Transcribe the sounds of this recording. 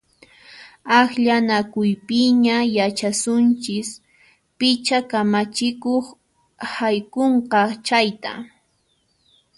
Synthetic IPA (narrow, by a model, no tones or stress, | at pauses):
axʎanakʊjpɪɲajat͡ʃasʊnt͡ʃɪs | pɪt͡ʃakamat͡ʃɪkoχ | hajkoɴqɑt͡ʃajt̪a̰